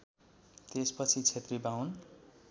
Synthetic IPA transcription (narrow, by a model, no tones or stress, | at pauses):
t̪espʌt͡sʰit͡sʰet̪ribawn